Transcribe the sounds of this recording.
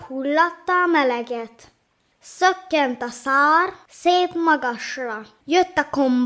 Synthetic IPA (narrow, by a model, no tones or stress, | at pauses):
hulːɒt̪ːɒːmɛlɛɡɛt̪ | søkːɛnt̪ɑsaːɾseːpmɒɡɒʃlɒ | jøt̪ːɑkom